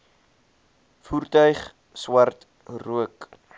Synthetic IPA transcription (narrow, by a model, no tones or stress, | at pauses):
furtœɥχ | swɐrt | ruək